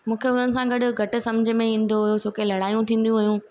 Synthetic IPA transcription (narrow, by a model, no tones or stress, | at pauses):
mũːkʰeʊnənɪ̆sãɡɐɗʊ̆ɡʱɐʈɪ̆sɐ̃md͡ʑʱɪ̆mẽĩːn̆d̪oɦʊjot͡ɕʰoːkelɐɽaːijũt̪ʰĩːn̆d̪ijũɦɐɦjũː